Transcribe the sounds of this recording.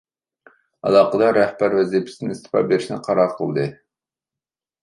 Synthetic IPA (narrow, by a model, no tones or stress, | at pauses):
ɑ̰lˠɑqəd̪ɑɾɛhbæɾvɛzipʰɪ̥sɪnɪɪst̪ʰɨ̥pɑ̰beɾɪʃnɪqʰɑɾɑqʰəlˠd̪ɨ